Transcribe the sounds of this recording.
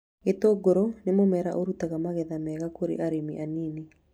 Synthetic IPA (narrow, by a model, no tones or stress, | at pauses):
etoɡoɾonemomɛɾaʔoɾutaɣamaɣɛðamɛɣakoɾḛʔaɾemḭʔaniːni